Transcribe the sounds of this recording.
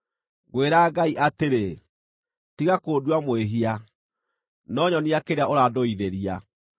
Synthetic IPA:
ɣweɾaːɡaiʔateɾe | tiɣakoːduwamweɦia | nɔɲɔniakeɾeaoɾadoiðeɾia

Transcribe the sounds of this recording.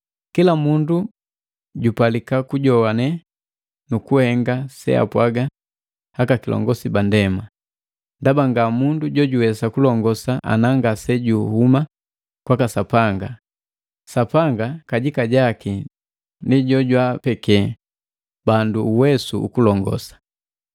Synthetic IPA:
kilamundu | ɟupalikakuɟɔwanɛ | nukuhɛŋɡasɛ̰a̰pwaɡa | hakakilɔ̰ŋɡɔsibandɛma | ndabaŋɡamunduɟɔɟuwɛsakulɔŋɡɔsaʔa̰naŋɡasɛɟuhuma | kwakasapaŋɡa | sapaŋɡakaɟikaɟaki | ndiɟɔɟwapɛkɛ | banduuwɛsuṵkulɔŋɡɔ̰sḁ

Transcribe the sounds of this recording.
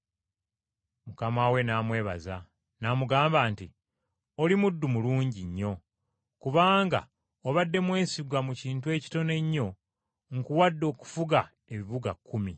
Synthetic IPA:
mukamawe̞naːmwe̞ːβa̰za | namuɡaːmbaːnti | olimudːumuluːɲɟiɲːo̞ | kuβaːŋɡa̰ | oβadːe̞mwe̞ːnsiɡwamuciːntwe̞ːci̥to̞ne̞ɲːo̞ | ŋkuwadːo̞ːku̥fuɡa | e̞βiβuɡakːumi

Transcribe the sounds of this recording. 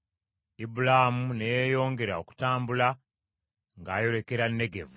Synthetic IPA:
ibulahamunejejo̞ːŋɡe̞ɾao̞ku̥taːmbula | ŋɡaːjo̞le̞ke̞ɾanːe̞ɡe̞̰vu

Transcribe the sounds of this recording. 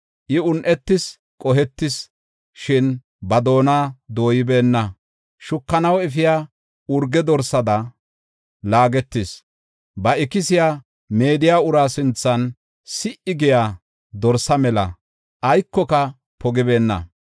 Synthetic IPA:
ʔɪʊnʔɛt̪ːɪs | kʼɔɦɛt̪ːɪs | ʃɪn | bɐd̪o̞ːnaːd̪o̞ːjɪbe̞ːnːɐ | ʃʊkːɐnɐwɛfɪjaː | ʊɾɡɛd̪ɔɾsɐd̪ɐ | laːɡɛt̪ːɪs | bɐɪkɪsɪja | me̞ːd̪ɪjaːʊɾaːsɪnt͡sːɐn | sɪʔɪɡɪjaː | d̪ɔɾsɐmɛlɐ̰ | ʔɐjkːɔkɐ | pɔɡɪbe̞ːnːɐ̰

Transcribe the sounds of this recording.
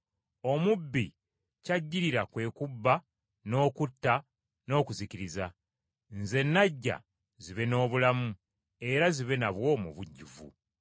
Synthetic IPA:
o̞mubːḭ | caɟːiɾiɾakwe̞ːkubːa | no̞ːkutːa | no̞ːkuziciɾiza | nze̞nːaɟːa̰ | ziβe̞no̞ːβulamu | e̞ɾaziβe̞naβwo̞ːmṵβuɟːuvṵ

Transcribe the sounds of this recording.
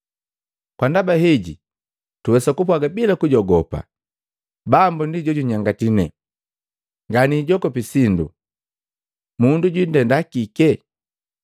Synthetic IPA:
kwandabaɦɛɟi | tuwɛsakup̬waɡabilakuɟɔɡɔpa̰ | bambundiɟɔɟuɲaŋɡatinɛ | ŋɡaniːɟɔkɔpisindu | munduɟwindɛndakikɛ

